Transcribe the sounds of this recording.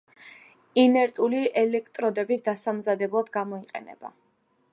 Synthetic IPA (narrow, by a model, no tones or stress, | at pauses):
inɛɾt̪ʼuliʔɛlɛkʰt̪ʼɾɔd̪ɛbisd̪asamzad̪ɛblˠad̪ɡamɔiqʼɛ̰nɛ̰b̥a̰